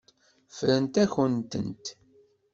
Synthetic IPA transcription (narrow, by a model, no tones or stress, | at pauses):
fɾənt̪æçənt̪ə̰nt̪